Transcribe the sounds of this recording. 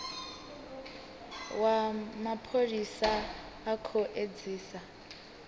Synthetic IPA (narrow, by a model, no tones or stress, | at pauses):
wamapʰolisaː | kʰoʔed͡ziːsa